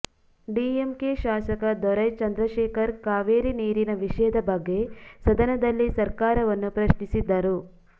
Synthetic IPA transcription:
ɖiːemkeʃaːsɐkɐd̪ɔɾɐjt͡ʃɐnd̪ɾɐʃeːkɐɾkaːʋeːɾiniːɾinɐʋiʂɐjɐd̪ɐbɐɡːe̞sɐd̪ɐnɐd̪ɐlːisɐɾkaːɾɐʋɐnːupɾɐʃnisid̪ːɐɾu

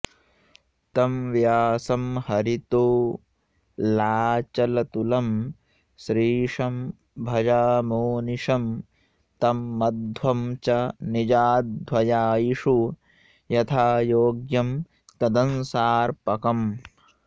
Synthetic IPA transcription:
t̪ɐmʋjaːsɐmhɐɾit̪oː | laːt͡ʃɐlɐt̪ulɐm | ʃɾiːʂɐm | bʱɐd͡ʒaːmoːniʂɐm | t̪ɐmːɐd̪ʱwɐmt͡ʃɐnid͡ʒaːd̪wɐjaːjiʂu | jɐt̪ʰaːjoːɡjɐm | t̪ɐd̪ɐnsaːɾpɐkɐm

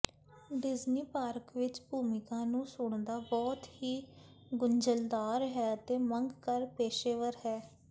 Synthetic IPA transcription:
ɖɪzniːpaːɾəkʋɪt͡ʃbʱuːmɪkãːnũːsʊɳd̪aːbɔːt̪hiː | ɡʊɲd͡ʒəld̪aːɾɦɛːət̪eːməŋɡkəɾpeːʃeːʋəɾɦɛː

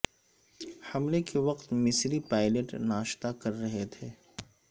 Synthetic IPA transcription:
hɐmlekeʋɐqt̪mɪsɾipaːɪləʈnaːʃt̪akɐɾːɐɦet̪ʰeː

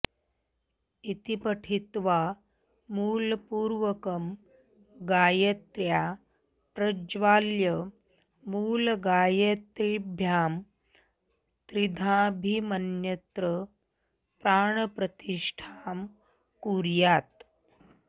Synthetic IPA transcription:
it̪ipɐʈʰit̪ʋa | muːlpuːɾʋɐkɐm | ɡaːjɐt̪ɾjaː | pɾɐd͡ʒʋaːljɐ | muːlɡaːjet̪ɾibʱjaːm | t̪ɾid̪ʱãːbʱimɐnjɐt̪ɾə | pɾaːɳɐpɾɐt̪iʂʈʰaːm | kuːɾjaːt̪

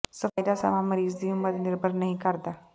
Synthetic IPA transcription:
səfajd̪asa̰ʋãməɾiːzd̪iʊmːəd̪nɪɾbʱəɾnɐɦĩkəɾd̪aː

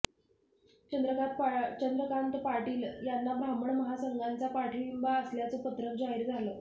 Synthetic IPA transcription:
t͡ɕəd̪ɾət͡ɕənd̪ɾəkant̪paɾʈiːljanːabɾaməɳməɦasəŋɡant͡sapaɾʈʰiɭimbaəsljat͡səpət̪ɾək̚d͡zaɦiɾd͡zʱaləː

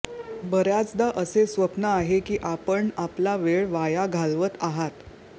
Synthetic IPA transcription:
bəɾjat͡sd̪aʔəsesʋəpnəaɦekiːʔapəɳaplaʋeɭʋajaɡʱalʋət̪aɦat̪

